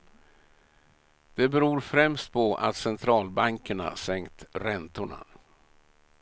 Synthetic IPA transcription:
d̪̥ɛbɛɾuːɾfɾɛmst̪̚pʰɔʔa̰t̪sɛnt̪ʰɾɑːlbaŋkəɳa̰sɛŋkt̪ɾɛnt̪ʊɳa̰

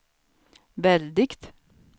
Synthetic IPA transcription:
ʋɛld̪ɪkt̪

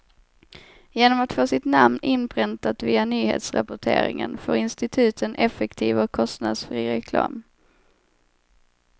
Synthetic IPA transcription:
jeːnɔmat̪foːsɪt̪namnʔɪnpʰɾɪnt̪at̪viːanyːhḛːt̪sɾa̰pʊʈʰḛːɾɪ̰ŋə̰nfoːɾɪnst̪ɪt̪ʰʉ̟ːt̪ʰənʔɛfɛkt̪ʰiːvɔkʰːɔst̪nad̪sfɾiːɾɛkʰlɑ̰ːm

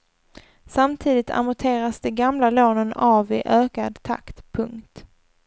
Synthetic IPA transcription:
samt̪ʰiːd̪ɪt̪ʰa̰mɔt̪ʰeːɾasd̪ɛɡamlaloːnənaːvɪʔøːkad̪t̪ʰa̰kt̪pʰɵŋkt̪

